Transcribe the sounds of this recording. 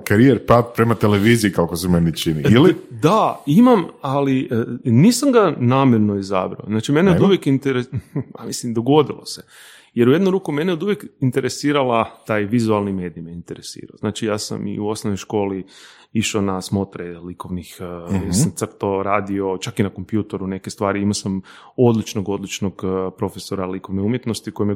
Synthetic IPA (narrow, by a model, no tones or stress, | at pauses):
kaɾijeɾpat̪̚pɾemat̪eleʋiziikakosemenit͡ʃiniilid̪aimamaliniːsamɡanaːmjeɾno̞iza̰bɾa̰oznaːt͡ʃimeneod̪uʋjekint̪eɾeamislimd̪o̞ɡo̞d̪ilˠo̞̰se | jeɾujed̪nuɾuːkumeneod̪uʋjekint̪e̞ɾesiːɾalat̪aːjʋizualˠnime̞ːd̪ijmjeint̪eɾesḭːɾa̰oznaːt͡ʃijaːsa̰mḭuo̞snoʋnojʃko̞ːli | iʃonasmo̞t̪ɾelikoʋnixjjesamt̪sr̩t̪oɾaːd̪io̞t͡ʃakinakompjuːt̪eɾune̞kest̪ʋaːɾiimasam | o̞d̪lit͡ʃnoɡo̞d̪lit͡ʃnoɡpɾo̞feso̞ɾalikoʋneumjet̪nost̪iko̞jeme